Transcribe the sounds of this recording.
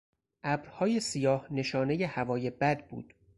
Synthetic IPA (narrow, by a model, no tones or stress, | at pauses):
ʔæbɾhɒːje̞sijɒːhne̞ʃɒːne̞je̞hævɒːje̞bæd̪̚bṵːd̪̥